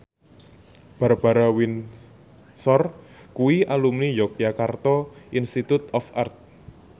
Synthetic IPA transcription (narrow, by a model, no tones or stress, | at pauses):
b̥a̤ɾab̥a̤ɾawin | sɔrkuwiʔalumnijɔk̚iakart̪ɔinst̪it̪ut̪ɔfart̪̚